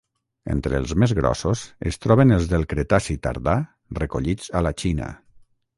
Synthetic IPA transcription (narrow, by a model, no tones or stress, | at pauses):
ḛnt̪ɾelˠzmezɣɾɔ̰sozḛst̪ɾɔβenelˠzðelˠkɾet̪asit̪a̰ɾða | rekoʎid͡zalat͡ʃinə̰